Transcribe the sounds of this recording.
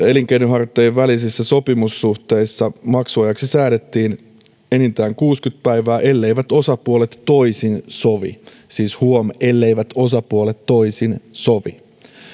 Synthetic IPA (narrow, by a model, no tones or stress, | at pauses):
e̞liŋk̟einyɦɑrt̪ːˑejʋːælisisːæso̞pimusːuht̪e̞jsːɑmɑksuɑjɑksisæːɾe̞t̪ːiːn | e̞nint̪æːŋkuːskyt̪̚pæjʋæːʔe̞lːe̞jʋæt̪o̞sɑpuolet̪ːo̞jsinsoʋḭ | siːshuome̞lːe̞jʋæt̪o̞sɑpuolet̪ːo̞isinso̞ʋḭ